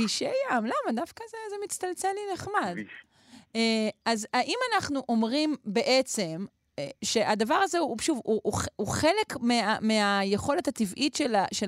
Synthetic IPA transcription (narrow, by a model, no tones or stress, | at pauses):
iʃejamlamadafkazezemit͡st̪alt͡selineχmad | eazaʔimanaχnuʔo̞mʁimbe̞ʔe̞t͡se̞m | ʃe̞ʔadavaʁazeuʃuvuʔuχuχe̞le̞kmiameajeχo̞le̞thativʔitʃelaʃe